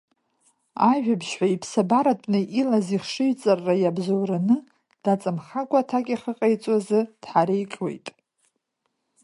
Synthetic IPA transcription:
aʒᶣabʃħʷaipʰsabaɾatʼnɨʔilaziχʂɨɥt͡sʼarːajabzowranɨ | d̥at͡sʼɨmχakʷʼatʰakʲʼiχəqʼajt͡sʼwazɨd̥ħaɾejkʲʼwe̞̰jtʼ

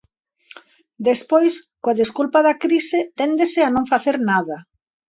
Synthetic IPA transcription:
d̪espojskoaðeskulpaðakɾiset̪ɛnd̪esɪanõŋfaθeɾnaðɐ

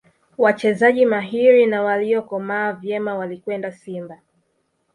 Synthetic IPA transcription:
wat͡ʃɛzaʄimaɦiɾinawaliɔkɔmaːvjɛmawalikwɛndasimba

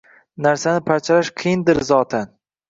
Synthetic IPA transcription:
naɾsanɪpʰaɾt͡ʃʰalaʃqʰɨjɪnd̪ɪɾzɒːt̪ʰan

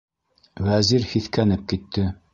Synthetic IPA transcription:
wæziɾhiθkænɘp̚kit̪ːɘ

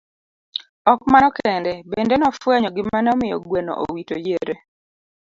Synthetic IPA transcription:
ɔk̚manɔkɛndɛbendenɔfwɛɲɔɡɪmanɔmɪjɔ̰ɡwenɔ̰ʔo̰witojeɾe

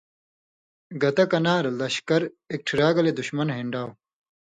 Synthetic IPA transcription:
ɡɐt̪ɐkɐnaːɾɐlɐɕkɐɾ | ek̚ʈʰiɾaːɡɐled̪uɕmɐnɦiɳɖaːw

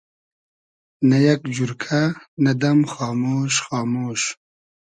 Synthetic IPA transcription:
nɐjɐkd͡ʒuɾkʰanɐd̪ɐmxɑːmoːʃxɑːmoːʃ

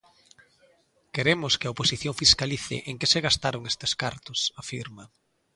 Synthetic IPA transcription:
keɾemʊskeaoposiθjoŋfiskaliθɪ̰ʔeŋkeseɣast̪aɾoŋest̪eskaɾt̪ʊsafiɾmɐ

